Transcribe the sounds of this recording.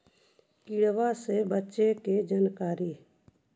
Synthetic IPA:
kiɽʋasebətːʃeked͡ʒankaːɾiː

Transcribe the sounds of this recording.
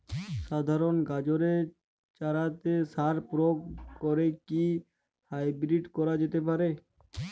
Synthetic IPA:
ʃad̪ʱaɾonɡad͡ʑoɾe | t͡ɕaɾat̪esaɾpɾoɡkɔɾeki | hajbɾiʈkɔɾad͡ʑet̪epaɾe

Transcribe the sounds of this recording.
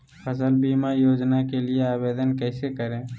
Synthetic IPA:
pʰəs̬əlbiːmajoːd͡ʒnakelieaːbeːd̪ənkɛːsekəɾẽː

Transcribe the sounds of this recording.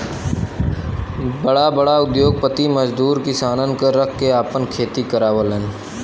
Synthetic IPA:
bəɽabəɽaʊd̪joːɡ̚pət̪iməd͡ʒd̪uːɾkɪsaːnən̆kəɾəkʰkeaːpənkʰeːt̪ikəɾaːʋəlɦən

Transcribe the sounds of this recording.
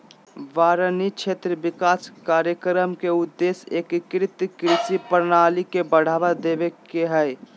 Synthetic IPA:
ʋaːɾənit͡ʃʰet̪ɾəbikaskaɾjəkɾəmkeud̪ːesekkɾɪt̪kɾɪsipəɾnalikebəɽ̤aːʋad̪ebekeɦɛj

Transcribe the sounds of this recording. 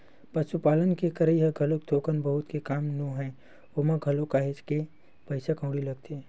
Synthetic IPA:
pɐʃupaːlənkekɐɾiɦɐɡʱɐlok̚t̪ʰoːkənbɐɦʊt̪kekaːmnõɦɛ̃ː | omãɡʱɐlõkaɦet͡ʃke | pɐɪsakɐ̃ːʊɽilɐɡt̪eɛ̃

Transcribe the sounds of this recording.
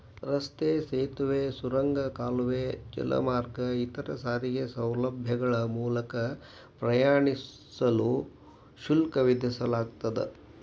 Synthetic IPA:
ɾɐst̪eseːt̪uʋesuɾɐŋɡɐkaːluʋet͡ʃɛ̰lɐ̰maːɾɡɐit̪ɐɾɐsaːɾiɡesɐwlɐbʱjɐɡɐɭɐmuːlɐkɐ | pɾɐjaːɳi | sɐlu | ʃulkɐʋid̪ʱisɐlaːɡt̪ɐd̪ḛ

